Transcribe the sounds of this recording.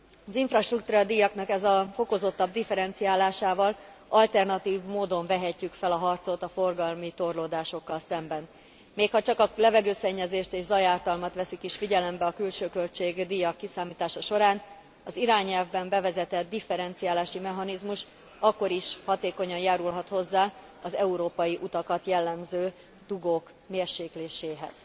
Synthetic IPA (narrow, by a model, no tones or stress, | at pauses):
ɒziɱfrɒʃt̪rukt̪uːɾɒd̪ijɒknɒkɛzɒfo̞ko̞zo̞t̪ːɒb̚d̪ifɛɾɛnt̪sijaːlaːʃaːvɒl | ɒlt̪ɛrnɒt̪iːvmoːd̪o̞ɱvɛɦɛcːykfɛlɒɦɒrt̪so̞t̪ɒfo̞rɡɒlmit̪o̞rloːd̪aːʃo̞kːɒlsɛmbɛn | meːkhɒt͡ʃɒkɒlɛvɛɡøːsɛɲːɛzeːʃt̪eːʒzɒjaːrt̪ɒlmɒt̪ʋɛsikiʃfiɟɛlɛmbɛɒkylʃøːkølt͡ʃeːɡd̪ijɒkːisaːmiːt̪aːʃɒʃo̞ɾaːn | ɒziɾaːɲɛlvbɛmbɛvɛzɛt̪ɛt̪̚d̪ifːɛɾɛnt̪sijaːlaːʃimɛɦɒnizmuʃ | ɒkːo̞ɾiʃhɒt̪eːko̞ɲɒnjaːɾulɦɒt̪ho̞zːaː | ɒzɛuɾoːpɒjiʔut̪ɒkɒt̪jɛlːɛmzøː | d̪̥uɡoːk | meːrʃeːkleːʃeːɦɛ̰z̥